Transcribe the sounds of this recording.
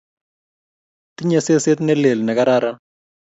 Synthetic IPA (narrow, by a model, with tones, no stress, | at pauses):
t̪i˦ɲe˨se˦se˦t̪nɛ˦le˨lnɛ˨ka˦ɾa˦ɾa˦